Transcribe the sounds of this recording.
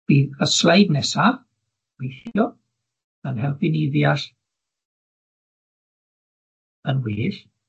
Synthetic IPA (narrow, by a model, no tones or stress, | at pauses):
b̥iːðəslˠajdnɛsa | w̥ejɬɔ | ənhɛlˠfiniðjaɬ | ənwɪːɬ